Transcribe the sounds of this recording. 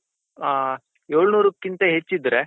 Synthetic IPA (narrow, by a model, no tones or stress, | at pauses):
aː | joːɭnuːɾukːint̪ɐɦet͡ʃːid̪ɾe